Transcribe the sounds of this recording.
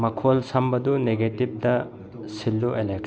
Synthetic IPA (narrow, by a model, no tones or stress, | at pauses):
mɐkʰolsɐmbɐd̪uneɡetib̚d̪ɐ | silːuʔelek̚